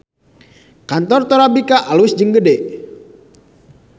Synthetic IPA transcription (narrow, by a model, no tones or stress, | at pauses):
kant̪ɔrt̪ɔɾabikaʔalwɪsd͡ʒəŋɡədɛ